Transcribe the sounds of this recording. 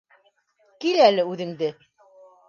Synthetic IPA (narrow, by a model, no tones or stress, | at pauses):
kilælɘʉðɘ̆ŋd̪ɘ